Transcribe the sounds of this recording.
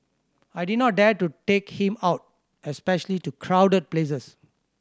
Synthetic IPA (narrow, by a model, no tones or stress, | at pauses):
ajdid̚nɔt̚dɛtutekhĩmaʊt̚ | ɛspɛʃəlitukʰɹawdəd̚ples̬əs